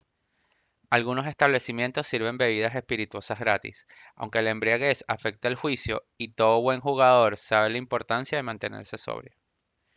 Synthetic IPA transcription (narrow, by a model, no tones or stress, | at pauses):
alɣuno̞s̬e̞st̪aβle̞simje̞nt̪o̞sːiɾβe̞mbe̞β̞iðase̞spiɾit̪wo̞sazɣɾat̪ḭs | a̰wŋke̞le̞mbɾiaɣe̞safe̞k̚t̪aelxwisjo̞̰ | it̪o̞ðoβwe̞ŋxuɣaðo̞ɾsaβ̞e̞laimpo̞ɾt̪ansjað̞e̞mãnt̪e̞ne̞̰ɾse̞so̰βɾja